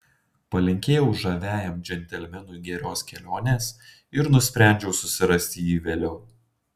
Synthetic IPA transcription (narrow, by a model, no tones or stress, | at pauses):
pɐlʲɪŋʲkʲeːjɛʊʒɐʋʲæːjɛmd͡ʒʲɛnʲt̪ʲɛlʲmʲɛnuːɡʲɛɾʲoːskʲɛlʲoːnʲeːs | ɪɾnʊsʲpʲɾʲæˑnʲd͡ʒʲɛʊsʊsʲɪɾɐsʲt̪ʲɪjiːʋʲeːlʲɛʊ